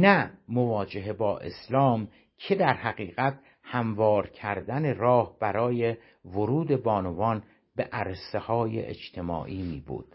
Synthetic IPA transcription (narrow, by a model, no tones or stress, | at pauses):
næmovɒːd͡ʒe̞ɦebɒːʔe̞̰slɒːm | cʰe̞d̪æɾhæɣiːɣæt̪̚ | hæmvɒːɾcʰæɾd̪æne̞rɒːhb̥æɾɒːje | voɾuːd̪e̞bɒːnovɒːn | beʔæɾsehɒːjḛʔḛd͡ʒt̪ʰe̞mɒ̰ːʔiːmiːbṵːd̪̥